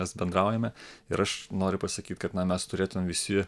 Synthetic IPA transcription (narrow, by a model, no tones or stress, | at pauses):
ɛsbʲɛnd̪ɾɑˑʊjɛmʲɛɪɾɐʃnoːɾʲʊpɐsɐkʲiːt̪kɐt̪nɐmʲɛst̪ʊɾʲeːt̪ʊmʲemʋʲɪsʲɪ